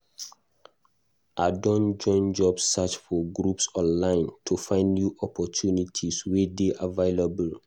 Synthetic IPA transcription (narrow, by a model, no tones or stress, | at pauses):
ʔadɔ̃nd͡ʒɔ̃ɪ̃nd͡ʒɔbsːat͡ʃfɔɡɹupsɔ̃nlãɪ̃ntʰufãɪ̃ndnjuʔɔpʰɔtʰunitʰiswedeʔaveɪlabəl